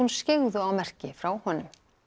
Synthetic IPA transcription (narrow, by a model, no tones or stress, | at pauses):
unscɪɣðʏawmɛr̥cɪfɾawhɔnːʏm